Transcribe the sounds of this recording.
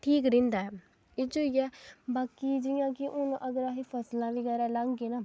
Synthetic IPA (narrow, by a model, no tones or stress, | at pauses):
ʈʰiːkɾĩnd̪a | ɪd͡ʒojabaːkid͡ʒijãːkiʔʊnʔəɡɾaɦipʰəslãːbiɡaɾaːlaɡɡena